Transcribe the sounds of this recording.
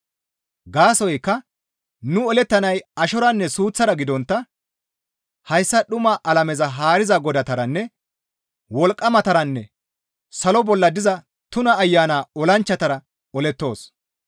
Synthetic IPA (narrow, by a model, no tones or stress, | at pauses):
ɡaːsɔjkːɐ | nʊɔlɛt̪ːɐnɐjɐʃɔɾɐnːɛsuːt͡sːɐɾɐɡɪd̪ɔnt̪ːɐ | hɐjsːɐɗʊmaʔɐlɐmɛzɐɦaːɾɪzɐɡɔd̪ɐt̪ɐɾɐnːɛ | wɔlkʼːɐmɐt̪ɐɾɐnːɛ | sɐlɔbɔlːɐd̪ɪzɐ | t̪ʊnɐːjːaːnaːɔlɐnt͡ʃːɐt̪ɐɾɐ | ɔlɛt̪ːo̞ːs